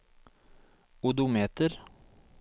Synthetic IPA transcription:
ʊd̪ʊmeːt̪əɾ

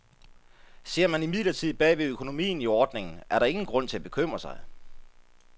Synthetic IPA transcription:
se̝ɐ̰mænimiðˠlɐt͡sʰið̰ˠb̥ɛ̰ːʋeøkʰo̝no̝mḭːn̩iɒːd̥ne̝ŋn̩ʔæɐɾ̥ɑ̈e̝ŋn̩ɡ̥ʁɔ̽n̰t͡sʰe̝æb̥e̝̥kʰøm̰ʁɐsɑ̈ɪ

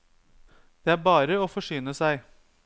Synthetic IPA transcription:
d̪̥eːæːɾbɑːɾəoːfɔʂyːnəsæɪ

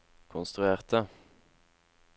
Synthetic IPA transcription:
kʰʊnst̪ʁʉeːʁt̪ʰə

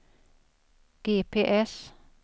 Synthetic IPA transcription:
ɡ̥eːpʰeːʔɛs

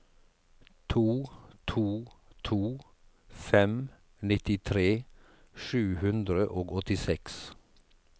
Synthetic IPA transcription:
t̪ʰuːt̪ʰuːt̪ʰuː | fɛm | nɪt̪ɪt̪ʰɾeː | ʃʉːhʉnd̪ɾəʔoːɡɔt̪ɪsɛks

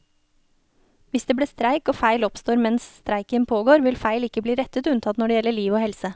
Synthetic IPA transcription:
ʋɪsd̪eːbliːst̪ɾæɪkoːfæɪlɔpst̪oːɾmɛnsst̪ɾæɪkənpʰoːɡoːɾʋɪlfæɪlɪkəbliːɾɛt̪ət̪ʉnt̪ʰɑt̪nɔɖeːjɛləɭiːʋoːhɛlsə

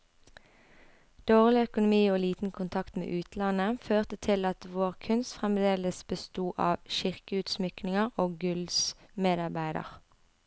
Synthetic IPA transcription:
d̪̥oːʁlɪœkʊnʊmiːoːliːt̪n̩kʰʊnt̪ʰɑkt̪mḛːʔʉːt̪lɑnəføːʁt̪ət̪ʰɪlɑt̪ʋoːʁkʰʉnst̪fʁɛmd̪eːləsbəst̪uːʔɑːʋʃɪʁkəʉːt̪smʏknɪŋəʁoːɡʉlsmeːd̪ɑʁbæɪd̪ə̰ʁ

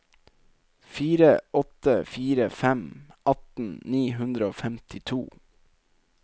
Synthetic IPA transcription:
fiːɾəɔt̪əfiːɾəfæmʔɑt̪n̩niːɦʉnd̪ɾəoːfɛmt̪ɪt̪ʰuː

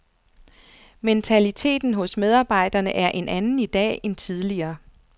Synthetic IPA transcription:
ment͡sʰælit͡sʰe̝̰ːd̥n̩ɦɔ̽smeð̞ˠɑ̈ːb̥ɑ̈ɪ̰d̥ɐnəʔæɐʔe̝nʔænn̩id̥ɛ̰ːent͡sʰið̞ˠliɐː

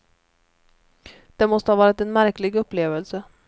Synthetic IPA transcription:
d̪̥ɛnmɔst̪əhɑvɑːɾɪt̪ɛnmæɾklɪɡɵpːleːvəlsə

